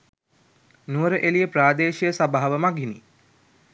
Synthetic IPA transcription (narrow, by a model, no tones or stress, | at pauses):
nuəɾəʔelijəpɾaːd̪eːʃijəsabaɦːaʋəmaɡini